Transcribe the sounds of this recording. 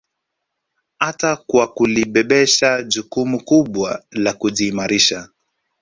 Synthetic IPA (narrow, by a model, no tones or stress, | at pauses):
hatakwakuliɓɛɓɛʃaʄukumukuɓwalakuʄiːmaɾiʃa